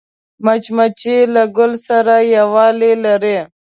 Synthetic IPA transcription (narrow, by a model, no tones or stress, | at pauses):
mat͡ʃmat͡ʃelaɡʊlsaɾajawɑːlelaɾe